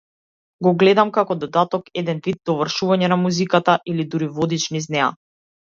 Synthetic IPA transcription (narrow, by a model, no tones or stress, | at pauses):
ɡɔɡlɛd̪amkakɔd̪ɔd̪at̪ɔkɛd̪ɛnvid̪̚d̪ːɔvr̩ʃuvaɲɛnamuzikat̪aʔilid̪uɾivɔd̪it͡ʃniznɛa̰